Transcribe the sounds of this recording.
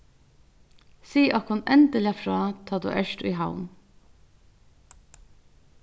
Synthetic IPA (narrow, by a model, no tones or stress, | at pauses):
siːʔɔkhʊnɛnd̪əlɪafɾɑːt̪ʰɑːd̪ṵːʔɛʃtḭɦaʊn